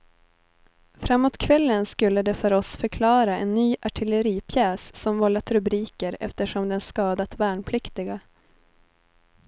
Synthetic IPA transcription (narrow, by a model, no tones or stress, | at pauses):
fɾamːoːt̪kʰvɛlːənskɵlːəd̪ɛfœɾɔsfœɾkʰlɑːɾaɛnːyːʔaʈʰɪləɾiːpʰjɛːssɔmvɔlːat̪ɾɵbɾiːkəɾɛ̰ft̪əʂɔmd̪ɛnskɑːd̪at̪væːɳpʰlɪkt̪ɪɡa